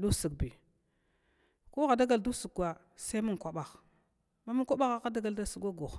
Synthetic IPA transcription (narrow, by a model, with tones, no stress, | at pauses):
du˦sə˨kbi˨ | ku˦ɣa˨da˦ɡa˨ldu˦su˨ka˨ | sa˦mu˦ŋkʷa˨ɓa˨x | ma˦mu˦nkʷa˦ɓa˦ɣa˦ka˦da˦ɡa˨lda˦su˨kʷa˦ɡu˨x